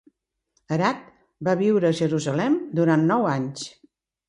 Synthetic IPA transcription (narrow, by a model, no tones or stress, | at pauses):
əɾat̪̚ | baβiwɾəːʒəɾuzəlɛmd̪uɾanːɔwaɲs